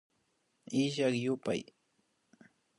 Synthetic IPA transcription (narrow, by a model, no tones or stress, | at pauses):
ɪʃakjʊpa̰j